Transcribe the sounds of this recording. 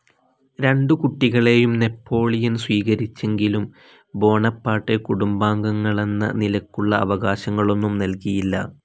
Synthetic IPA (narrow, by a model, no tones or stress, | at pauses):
ɾe̞ɳɖɨkuʈːiɣɐɭe̞jumne̞pːo̞ːɭijɐnsʋiːɣɐɾit͡ɕːe̞ŋɡilum | bo̞ːɳɐpːaːʈːekuɽumbaːŋɡɐŋːɐɭe̞nːɐ̰nilɐkːuɭːɐɐʋɐɣaːɕɐŋːɐɭo̞nːumnɐlkijilːɐ̰